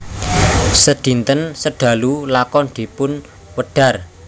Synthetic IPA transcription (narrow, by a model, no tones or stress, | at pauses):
səd̪̥i̤nt̪ənsəɖ̪̥ä̤lulakɔnd̪̥i̤pʊn | wəɖ̥ä̤r